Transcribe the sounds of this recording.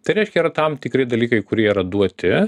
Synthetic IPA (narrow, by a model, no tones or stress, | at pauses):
t̪ɐɪɾʲɛɪʃʲkʲɛiːɾɐt̪ɐmt̪ʲɪkɾʲɪd̪ɐlʲiːkɐɪkʊɾʲiɛiɾɐd̪uɔt̪ʲɪ